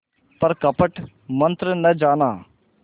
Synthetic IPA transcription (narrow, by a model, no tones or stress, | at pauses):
pɐɾkɐpəʈ | mɐ̃nt̪ɾənɐd͡ʒaːnaː